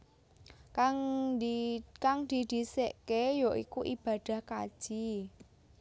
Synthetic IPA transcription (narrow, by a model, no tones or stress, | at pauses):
kaŋ | kaŋd̪̥i̤d̪̥i̤seʔkejɔʔikuʔḭb̥a̤d̪̥a̤hka̰d̥ʒ̥i